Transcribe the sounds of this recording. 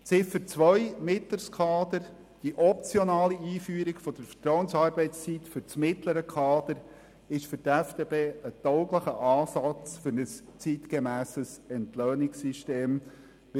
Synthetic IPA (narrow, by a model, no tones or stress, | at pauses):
t͡sɪfət͡sʋœʏmɪt̪ləskʰɑːd̪̥əɾ | d̥iʔɔp̚t͡sjɔnɑːliiːfyːɾiɡfɔd̥əɾfə̥tɾɔʊənsɑːɾbɛɪt͡st͡sit̪fʏɾt͡smɪtləɾəkʰɑːd̪̥əɾ | ɪʃfʏɾtɛfteːbeːət̪ɔʊɡləχəʔɑːsɑt͡sfʏɾnəst͡sit̪kemæːsəsɛntløːnɪksiʃteːm